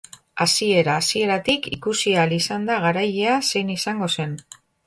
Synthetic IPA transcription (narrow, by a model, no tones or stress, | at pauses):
asie̞ɾaːsie̞ɾat̪ikikusialisand̪aɣ̞aɾajease̞jnisaŋɡo̞se̞n